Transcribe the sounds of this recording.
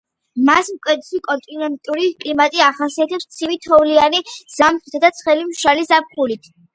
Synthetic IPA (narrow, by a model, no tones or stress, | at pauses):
masmkʼwɛd̪sikʼɔnt̪ʼinɛnt̪ʼuɾikʼlimat̪ʼiaχasiat̪ʰɛpst̪sʰivit̪ʰɔvlianiz̥amtt̪ʰad̪at̪sʰχɛlimʃalizap̚χulit̪ʰ